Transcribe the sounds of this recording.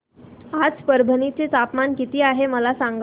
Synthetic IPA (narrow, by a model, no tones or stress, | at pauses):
ad͡zpəɾbʱənit͡set̪apmankit̪iːaɦeməlasaŋɡ